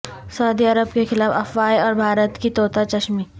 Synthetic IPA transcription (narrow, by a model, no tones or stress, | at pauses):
sɐʊd̪iɐɾəbkexɪlaːfɐfʋaːiɔːɾbʱaːɾət̪kit̪oːt̪ʰat͡ʃɐʃmiː